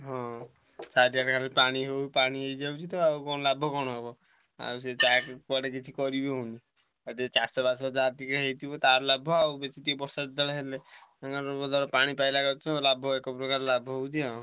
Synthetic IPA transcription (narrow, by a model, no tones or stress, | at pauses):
ɦɔ̃ | sadiaɾkʰalipaɽ̃iɦewpaɽ̃iejd͡ʒawt͡ʃʰit̪ɔawkɔñɔlabʱɔkɔñɔɦebɔ | a̰wset͡ʃakpɔɽeket͡ʃʰikɔɾibeɦuni | at̪et͡ʃasɔbasɔd͡ʒaɾt̪ikɾeɦejt̪ʰibɔt̪aɾlabʱːɔawbet͡ʃit̪ibɔɾsad̪alaɦeleaŋɡaɔbɔd̪ʱɔɾɔpaɽ̃ipajlaɡat͡ʃʰɔ̃labʱɔekɔpɾɔkaɾlabʱɔɦowt͡ʃʰiɦɔ̃